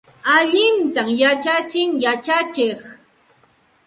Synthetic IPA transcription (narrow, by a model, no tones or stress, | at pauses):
aʎɪnt̪amjat͡ʃat͡ʃɪŋjat͡ʃat͡ʃɪχ